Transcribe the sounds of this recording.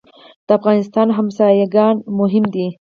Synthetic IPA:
d̪̥əafɣɑnɪst̪ɑnɦamsɑjaɡɑnmʊɦɪmd̪i

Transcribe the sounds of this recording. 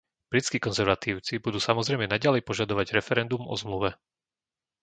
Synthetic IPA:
b̥ɾit͡skiːkɔnzɛɾʋat̪iːʊt͡sibud̪uːsamɔzɾɛjmɛnaɟalɛjpɔʒad̪ɔʋaɟɾɛfɛɾɛnd̪umɔ̰zmluʋɛ

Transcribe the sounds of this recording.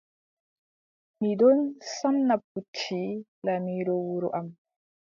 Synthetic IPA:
midɔnsanːap̚ːut͡ʃːi | lamiːɾɔwuɾuʔam

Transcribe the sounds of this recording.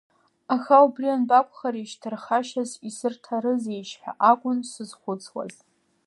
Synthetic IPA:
axaubrianbakʷʰʼχaɾiʃtʰɨrχaʃazisɨrtʰaɾɨzejʃħʷᶣa̰ʔakʷʼʊnsɨzχʷʊt͡sʰwa̰z̥

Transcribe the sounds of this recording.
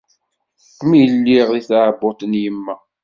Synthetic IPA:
θmijəlːiʁðiθʕbot̪ˤənjəmːæ

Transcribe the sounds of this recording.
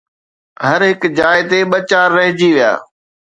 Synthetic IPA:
ɦɐɾɦɪkd͡ʑaːɪt̪eɓɐt͡ɕaːɾːɐɦɪd͡ʑiʋija̰ː

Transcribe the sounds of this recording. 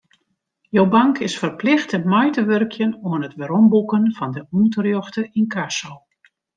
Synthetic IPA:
jowbɑŋkɪsfərplɪxtəmɔjtəʋørkʰjənuənətʋəɾɔmbukənfɔndəuːtərjɔxtəinkʰasow

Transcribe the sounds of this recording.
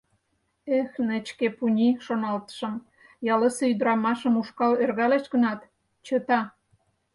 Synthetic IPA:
exnət͡ɕkepunʲiʃonɑlt̪ə̥ʃə̆m | jɑləseyd̪ɾɑmɑʃəmuʃkɑlerɣɑleʃɣənɑt̪ | t͡ɕət̪ɑ

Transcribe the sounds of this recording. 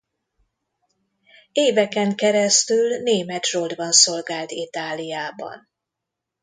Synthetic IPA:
eːvɛkɛŋkɛɾɛst̪ylneːmɛt̪rold̪bɒnso̞lɡaːlt̪it̪aːlijaːbɒ̰n

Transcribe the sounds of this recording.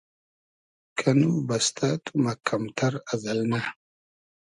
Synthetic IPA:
kʰɐnubɐst̪ʰɐt̪ʼumɐkʰːɐmt̪ʰɐɾɐzɐlna

